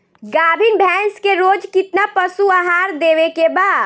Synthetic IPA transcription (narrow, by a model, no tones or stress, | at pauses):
ɡabʱinbʱɛ̃nskeɾod͡ʒkit̪napəsuaɦaɾd̪eʋekebad̪